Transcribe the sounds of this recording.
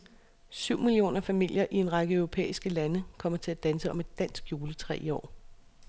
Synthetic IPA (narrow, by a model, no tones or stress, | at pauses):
syʊ̰milio̝̰ːnɐfæmil̰jɐʔie̝nʁɑ̈ɡ̥əœʊʁo̝pʰḛːisɡ̥əlænəkʰɒ̽m̰ɐt͡sʰe̝læd̥ænsəɒ̽me̝d̥ːæn̰sɡ̥juːlət͡sʰʁɛ̰ːiɒ̰ː